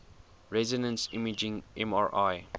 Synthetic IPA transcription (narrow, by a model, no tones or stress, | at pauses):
ɹɛzinə̃nsimid͡ʒĩŋʔɛ̃maɹʔaj